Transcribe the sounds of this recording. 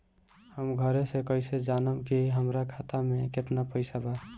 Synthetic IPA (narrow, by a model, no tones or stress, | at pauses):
həmɡʱəɾesẽkəised͡ʒanəmkiɦəmɾakʰat̪ameket̪napəɪsaba